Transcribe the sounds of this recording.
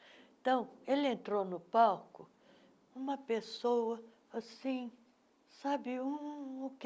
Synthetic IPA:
t̪ɐ̃w̃elɪẽnt̪ɾonʊpawkʊ | ũmɐpesowɐ | asĩ | sabɪũːk

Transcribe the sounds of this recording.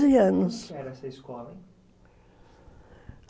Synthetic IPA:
ziɐnʊsɛɾɐɛsɐiskɔlˠɐ

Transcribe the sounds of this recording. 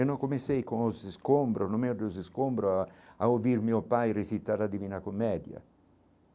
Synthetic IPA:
enoŋkomesɛjkonosiskombɾonomeod̪osiskombɾoaaovirmiːopajrisit̪ːaɾlad̪iviːnakomːɛːd̪ja̰

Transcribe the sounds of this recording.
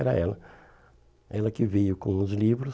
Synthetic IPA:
ɛɾɐ̰ɛlɐ | ɛlɐkɪvejʊkõũzlivɾʊ

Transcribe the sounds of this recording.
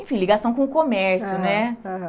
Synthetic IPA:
ẽfĩliɡasɐ̃w̃kõʊkõmɛɾsjʊnɛ

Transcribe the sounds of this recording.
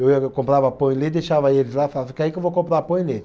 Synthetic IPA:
ewiɐkõmpɾavɐpõj̃led̪eʃavɐelɪzlafalavfi̥kaikewvokõpɾapõj̃le

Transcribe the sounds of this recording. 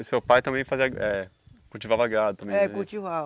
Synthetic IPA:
sewpajt̪ɐ̃mbẽj̃faziɐɛ | kuwt͡ʃivavɐaɡɾad̪ʊt̪ɐ̃mẽɛ̃kut͡ʃivav

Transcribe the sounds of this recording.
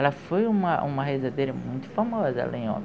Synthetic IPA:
lɐfojũmɐʔũmɐhezad̪ejɾɐmũj̃t̪ʊ̥famɔzɐɛ̰lɐẽj̃õ̰m

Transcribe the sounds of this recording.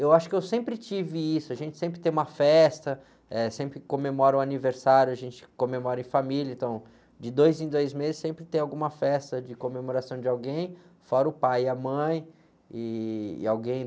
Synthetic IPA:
ewaʃʊ̥kɪewsẽmpɾɪt͡ʃivɪisʊaʒẽnt͡ʃɪ̥sẽmpɾɪt̪ẽj̃ũmɐfɛst̪ɐ | ɛsẽmpɾɪkõmemɔɾɐʊaniveɾsaɾjʊaʒẽnt͡ʃɪ̥kõmemɔɾɐẽfamilɐẽnt̪ɐ̃w̃ | d͡ʒɪd̪ojzẽj̃d̪ojzmezɪsːẽmpɾɪt̪ẽj̃awɡũmɐfɛst̪ɐd͡ʒɪkomemoɾasɐ̃w̃d͡ʒɪawɡẽj̃fɔɾɐʊpajɪɐmɐ̃j̃ | ɪɪ̰awɡẽj̃

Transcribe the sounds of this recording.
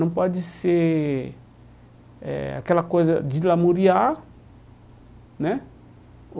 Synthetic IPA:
nampwad͡ʒise | a̰kɛlakozad͡ʒilamoɾia | nɛ

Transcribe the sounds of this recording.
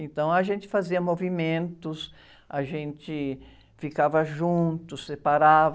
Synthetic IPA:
ẽnt̪ɐ̃w̃ɐʒẽnt͡ʃɪ̥faziɐmovimẽnt̪ʊs | aʒẽnt͡ʃɪ | fikavɐʒũnt̪ʊsːepaɾav

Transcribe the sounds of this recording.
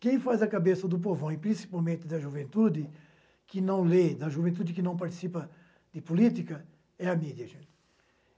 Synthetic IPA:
kẽj̃fazɐkabesɐd̪ʊp̬ovõɪpɾĩsi̥pawmẽnt̪ɪd̪ɐʒuvẽnt̪ud̪ɪ | kɪnɐ̃w̃led̪ɐʒuvẽnt̪ud̪ɪkɪnɐ̃w̃paɾt̪i̥sipɐ | d̪ɪpulit̪ikɐ | ɛɐmid̪jɐʒẽt̪ɪ̥

